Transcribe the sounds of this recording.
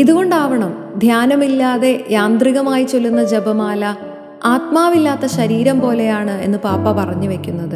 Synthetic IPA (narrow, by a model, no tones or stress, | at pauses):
iðuɣo̞ɳɖaːʋɐɳɐm | d̪ʱjaːnɐmilːaːðe̞jaːnd̪riɣɐmaːjit͡ɕo̞lːunːɐd͡ʑe̞bɐmaːlɐ | aːt̪maːʋilːaːt̪ːɐɕɐɾiːɾɐmpo̞ːle̞jaːɳɨe̞̰nːɨpaːpːɐpɐrɐɲːɨʋe̞kʲːunːɐðɨ